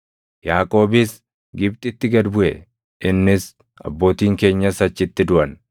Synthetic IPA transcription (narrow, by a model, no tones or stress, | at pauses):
jaːkʼo̞ːbɪs | ɡɪbt̪ʼɪt̪ːɪɡɐd̪bʊʔɛ̰ | ʔɪnːɪs | ɐ̰bːo̞ːt̪iːŋke̞ːɲːɐsɐt͡ʃːɪt̪ːɪd̪ʊʔɐn